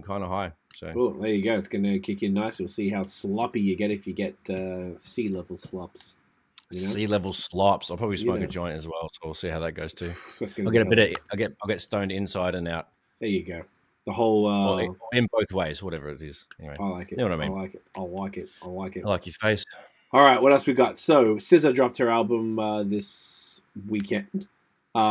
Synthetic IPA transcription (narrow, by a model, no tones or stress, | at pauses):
kʰãɪ̃ndəɦaɪ | soʊwɛlˠhɪjɨɡoʊɨtsɡ̥ʌnɨkʰɪkjɨnaɪswɨlˠsiɦaʊslʌpijɨɡɛɾɨfjɨɡɛt̚ʌsilɛvl̩ˠslɑps | jɨnoʊilɛvl̩ˠslɑpsaɪpʰɹ̥ɑbəblismoʊkɨd͡ʒɔ̃ɪ̃ñɨzwɛlˠsoʊɪlˠsihaʊðɨt̚ɡ̥oʊz̥tʰʉɨtsɡ̥ʌɪlˠɡɛɾɨbɪɾɨaɪlˠɡɛt̚aɪlˠɡɛtstõʊ̃ndɪ̃nsaɪɾɨ̃naʊt̚ | hɪjɨɡoʊ | ðəhoʊlˠʌɪ̃nboʊθweɪzwʌɾɛvə̰˞ɨɾɪz̥ɛ̰niweɪaɪlaɪkɨwʌɾaɪḭ̃nlaɪkɪt̚aɪlaɪkɨt̚aɪlaɪkɨtɪlaɪkjɨfeɪst | ɔlˠɹaɪt̚wʌɾɛlˠswiɡɑtsoʊsɪzədɹɑp̚t̚ə˞ælˠbə̃mʌðɪs | wikʰɛ̃nd̥ | ʌ